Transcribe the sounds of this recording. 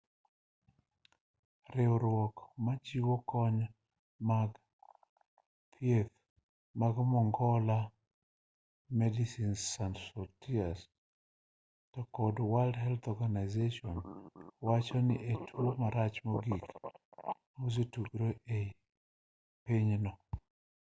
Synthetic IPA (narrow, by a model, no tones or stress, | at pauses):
rɪɔɾwɔkmat͡ʃiwokɔɲ | maɡ | t̪ʰjet̪ | maɡmɔŋɡɔla | mɛdisinsansotias | tɔkɔdwaldhɛlt̪ɔɡanaɪzeʃɔnwat͡ʃɔnɪʔetʰumaɾat͡ʃmoɡik | os̬ituɡɾoʔe | piɲnɔ